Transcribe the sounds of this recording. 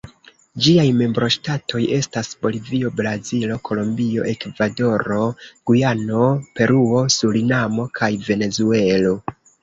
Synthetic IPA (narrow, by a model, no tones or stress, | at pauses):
d͡ʒiajme̞mbɾo̞ʃtatʰo̞je̞stasb̥o̞livio̞bɾazilo̞kʰo̞lombio̞̰ʔe̞kvado̞ɾo̞ɡ̥ujano̞pe̞ɾuo̞sulinamo̞kʰajve̞ne̞zue̞lo̞